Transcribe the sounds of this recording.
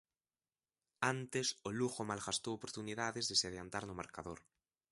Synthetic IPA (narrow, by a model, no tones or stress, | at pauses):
ant̪esoluɣomalɣast̪owopoɾt̪uniðaðezðeseaðjant̪aɾnomaɾkaðoɾ